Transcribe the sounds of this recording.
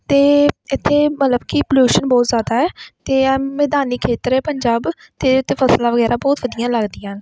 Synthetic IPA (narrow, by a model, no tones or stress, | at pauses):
t̪eːɪt̪ʰːeːmət̪ləbkipəljuːʃənbɔːt̪zjaːd̪aːɛːt̪eːmɛːd̪aːniːkʰeːt̪əɾɛːpəɲd͡ʒaːb | t̪eːʊt̪ʰːeːpʰəslaːʋəɡɛːɾaːbɔːt̪ʋəd̪ijãːləɡd̪ijãːn